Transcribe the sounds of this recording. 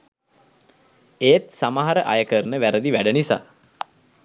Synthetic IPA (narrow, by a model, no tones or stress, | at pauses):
eːt̪samaɦaɾəʔajəkərnəʋæɾəd̪iʋæɖənisa̰ː